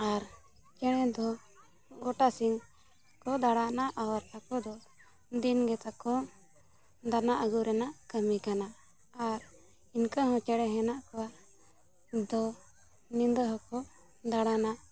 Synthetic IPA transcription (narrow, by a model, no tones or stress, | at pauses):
aɾ | t͡ʃɛɽɛd̪ɔ | ɡɔʈasiŋ | kɔd̪aɽanaʔawɾakɔd̪ɔ | d̪inɡɛt̪akɔ | d̪anaʔəɡuɾɛnaʔkəmikana | aɾ | inkaɦɔ̃t͡ʃɛɽɛɦɛnaʔkɔwa | d̪ɔ | nind̪əɦɔkɔ | d̪aɽanaʔ